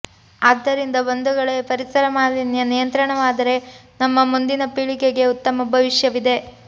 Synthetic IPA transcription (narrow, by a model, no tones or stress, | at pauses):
aːd̪ːɐɾind̪ɐʋɐnd̪uɡɐɭepɐɾisɐɾɐmaːlinjɐnijɐnt̪ɾɐɳɐʋaːd̪ɐɾe̞ | nɐmːɐmund̪inɐpiɭikeɡe̞ut̪ːɐmɐbʱɐʋiʃjɐʋid̪e̞